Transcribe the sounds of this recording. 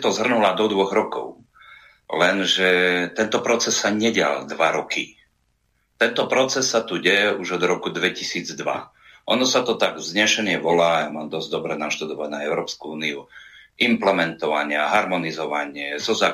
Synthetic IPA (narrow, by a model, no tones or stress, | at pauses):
t̪ɔzɦr̩nulad̪ɔd̪ʋɔɣɾɔkɔ̰ʊ | lɛnʒɛt̪ɛnt̪ɔpɾɔt͡sɛsːaɲɛɟɪa̰ld̪ʋaɾɔki | t̪ɛnt̪ɔpɾɔt͡sɛsːat̪uɟɛjɛuʒɔd̪ɾɔkud̪ʋɛcisiːd͡zd̪ʋa̰ | ʔɔnɔsat̪ɔt̪aɡzɲɛʃɛɲɪɛʋɔlaːjamaːmd̪ɔzɟd̪ɔbɾɛnaʃt̪ud̪ɔʋaɟnaɛʊɾɔːpskuuːniuʔimplɛmɛnt̪ɔʋaɲɪaɦaɾmɔnizɔʋaɲɪɛzɔzaː